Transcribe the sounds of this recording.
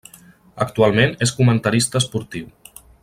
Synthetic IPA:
əkt̪ualˠmeneskumənt̪əɾist̪əːspuɾt̪iw

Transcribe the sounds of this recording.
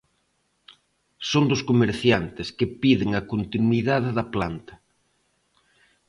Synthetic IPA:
sond̪ʊskomeɾθjant̪ɪskɪpiðɪŋɐkont̪inwiðaðɪðɐplant̪ɐ̥

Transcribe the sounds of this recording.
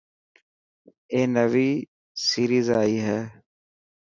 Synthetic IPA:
eːnəʋiː | siːɾiːzaːiːɦɛː

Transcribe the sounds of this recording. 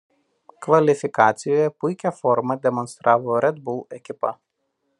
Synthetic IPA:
kʋɐlʲɪfʲɪkɑːt̪sʲɪjoːjɛpʊɪkʲɛfɔɾmɐd̪ʲɛmɔnst̪ɾʔɑːʋoːɾʲɛd̪bʊlˠɛkʲɪpɐ̰

